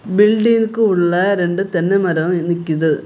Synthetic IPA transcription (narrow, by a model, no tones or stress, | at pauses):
bɪlɖiːnɯkːɯʊɭːɐɾɛɳɖɯt̪ɛnːɛmɐɾɐʋnɪkʲːiðɯ